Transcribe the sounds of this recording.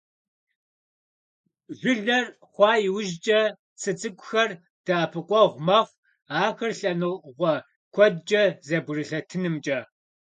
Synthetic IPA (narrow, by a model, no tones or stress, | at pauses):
ʒʷʊɮɐr | χʷɑːjɪwʊʒt͡ʃʼɐ | t͡sʰɨt͡sʼɨkʷʼʊxɐr | d̥aːpʰɨqʷʼɔʁʷmɐχʷ | aːxɐrɬɐnɨʁʷɔ | kʷʰɔdt͡ʃʼɐzɐbʷrɨɬɐtʰɨnɨmt͡ʃʼɐ